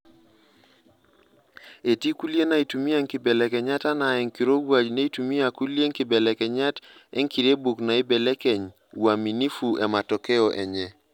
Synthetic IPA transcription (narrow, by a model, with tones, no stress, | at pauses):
e˨ti˦ku˦li˦e˦na˨i˨tu˨mi˦a˦˨ŋkɪ˨bɛ˨lɛ˨kɛ˨ɲa˦ta˦na˨ɛ˨ŋki˨ɾo˦ɡwa˨d͡ʒne˦i˦tu˨mi˦a˨ku˦lje˦ŋkɪ˨bɛ˨lɛ˨kɛ˨ɲa˦tɛ̰˦ŋki˨ɾe˦bu˨kna˨i˦bɛ˨lɛ˦kɛ˨ɲ | wa˨mi˨ni˦fu˨ɛ˨ma˨tɔ˨kɛ˦ɔ˨ʔɛ̰˨ɲɛ˦